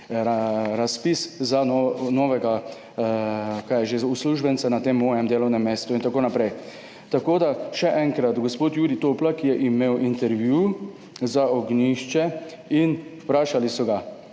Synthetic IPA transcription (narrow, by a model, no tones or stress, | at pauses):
ɾaspiszanɔnɔːʋɛɡa | kajɛʒeusluʒbɛntsɛnat̪eːmːɔːjɛmd̪eːlɔwnɛmːeːst̪uint̪akoːnapɾɛj | t̪akoːd̪aʃɛʔɛŋkɾat̪ɡospoːt̪juːɾit̪oːplakijɛʔimeːwʔint̪ɛɾʋju | zaɔɡniʃt͡ʃɛ | inwpɾaːʃalisɔɡa